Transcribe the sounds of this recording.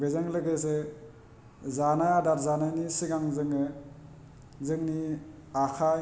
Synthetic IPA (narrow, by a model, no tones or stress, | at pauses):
bezaŋlɯkes̬e | zanajadaɾzanajnisiɡaŋzɯŋɯ | zɯŋni | akʰa